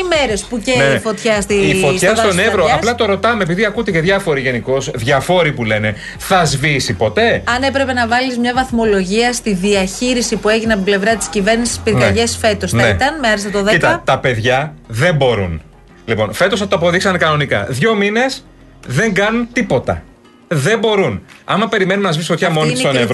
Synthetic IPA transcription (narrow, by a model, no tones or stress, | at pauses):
imeɾespuceefo̞t̪çɐst̪iifoçɐst̪onevɾoɐplɐt̪o̞ɾo̞t̪ɐme̞ːpiðiɐkut̪eceðʝɐfo̞ɾiʝe̞niko̞zðʝɐfo̞ɾipule̞ne̞ | θɐzvisipo̞t̪e̞ɐne̞pɾe̞pe̞nɐvɐlizmɲɐvɐθmo̞lo̞ʝiɐst̪iðiɐçiɾisipue̞ʝineɐp̬ople̞vɾɐt̪i̥scive̞ɾnisi̥spiɾkɐʝesfe̞t̪o̞snit̪ɐnmeɐɾisɐt̪oðeit̪ɐt̪ɐpe̞ðʝɐðe̞mbo̞ɾṵn | lipo̞̰nfe̞t̪osθɐt̪oɐpo̞ðiksɐnekɐno̞nikɐ̰ðʝo̞mine̞s | ðe̞ŋɡɐnunt̪ipo̞t̪ɐ̰ | ðe̞mbo̞ɾunɐ̰mɐpe̞ɾime̞numnɐzvisot̪çɐmonissonev